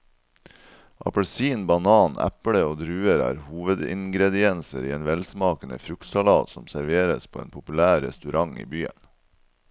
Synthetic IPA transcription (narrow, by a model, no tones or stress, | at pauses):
ʔɑ̰pəɭsiːnbɑnɑːnæ̰pɽəoːd̪ɾʉːəɾæ̰ːɾhuːʋəd̪ɪ̰ŋɡɾɛd̪ɪɛnsəɾiːeːnʋɛlsmɑːkənə̰fɾʉkt̪sɑlɑːt̪sɔmsæɾʋeːɾəspʰoːḛːnpʰʊpʉlæːɾːɛ̰st̪ʉɾɑŋḭːbyːə̰n